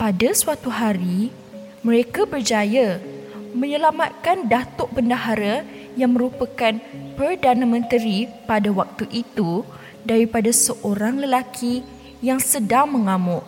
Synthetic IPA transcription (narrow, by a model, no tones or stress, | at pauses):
padasuwat̪uɦaɾi | mə̃ɾekabərd͡ʒaja | mə̃ɲəlamat̪̚kandat̪ɔʔpəndaɦaɾa | jaŋmə̃ɾupakanpərdanamə̃nt̪əɾipadawak̚t̪uʔit̪u | daɾipadasəʔoɾaŋləlakʰi | jaŋsədaŋmə̃ŋãmʊʔ